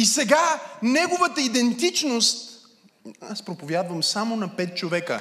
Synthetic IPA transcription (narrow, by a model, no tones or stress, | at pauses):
isɛɡanɛɡovət̪əid̪ɛnt̪it͡ʃnost̪ | aspɾopovʲjad̪vəmsamonɐpɛt̪̚t͡ʃovɛkə̰